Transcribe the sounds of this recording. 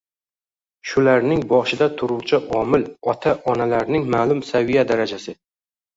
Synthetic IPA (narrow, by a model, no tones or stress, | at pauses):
ʃʊlaɾnɪŋbɒʃɪd̪at̪ʰʊɾʊwt͡ʃʰɪʔɒmɪlɒt̪ʰaʔɒnalaɾnɪŋmaːlˠʊmsavijad̪aɾad͡ʒasɪ